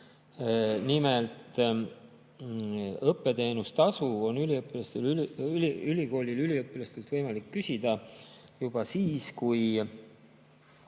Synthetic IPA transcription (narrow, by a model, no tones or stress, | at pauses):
nimelt̪ˑ | ɤpːe̞t̪e̞ːnust̪ɑsuo̞nːyliɤpːˑilɑst̪elyiyliko̞ːlʲilylʲiɤpːˑilɑst̪e̞lt̪vɤjmɑlikːysʲid̪̥ɑ | jub̥ɑsiːskuj